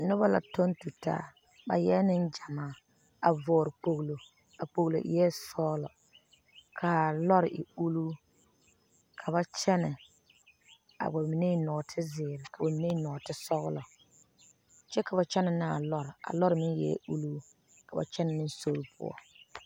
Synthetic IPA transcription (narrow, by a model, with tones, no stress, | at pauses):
nʊ˦ba˦la̰˨to˦ntu˨ta̰ː˦ | ba̰˨jɛ˦nɪ˦nd͡ʒa˨maː˦ | a˨vɔː˨ɾɪ˨k͡po˦˨ɣlo˨ | a˨k͡po˨ɣlo̰˨ʔjɛ˦sɔː˦lɔ̰˨ | kʰa˨lɔ˦ɾɪ̰˨ʔɪ˨u˦luː˦ | kʰa˨ba˦t͡ʃɛ˦nɛ˨ | a̰˨ba˨mi˨ne˦˨nɔ˨tʰɪ˦zɪː˨ɾɪ˨ka˨ba˨mi˨ne˦nɔ˨tɪ˦sɔ˦ɣʊ̰˦lɔ˨ | t͡ʃɛ˦ka˨ba˨t͡ʃɛ˦nɪ˨nɪ˦a˨lɔ˦ɾɪ˨a̰˨lɔ˦ɾɪ˨mɪ˦n˦jɛ̰˨˦u˦luː˦ | ka˨ba̰˨t͡ʃɛ˦nɪ˨nɪ˦n˦so˦ɾʊ˦pʰʊ̰˦ɔ̰˦